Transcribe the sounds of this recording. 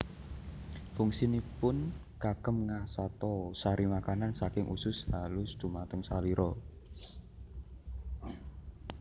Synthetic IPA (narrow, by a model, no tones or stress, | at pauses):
fʊŋsinipʊn | ɡ̥akəmŋahsat̪ɔsaɾimakanansakɪŋʔṵsʊshalʊsd̪̥ṳmat̪əŋsaliɾʔɔ